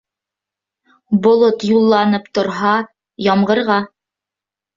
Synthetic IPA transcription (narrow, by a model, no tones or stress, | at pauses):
bŏlˠot̪julˠːɑnɤpt̪ŏɾɦɑ | jɑmʁɤ̆ɾʁɑ